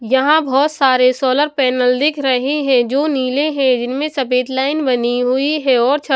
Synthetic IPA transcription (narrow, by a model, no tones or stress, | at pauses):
jɐɦãbʱɔːt̪saːɾesɔːləɾpɛːnəld̪ɪkʰɾɐɦeɦɛ̃d͡ʒoːniːleɦɛ̃d͡ʒɪnmẽsɐpeːd̪laːɪnbɐniɦʊiɦɛɔːɾt͡ʃʰɐ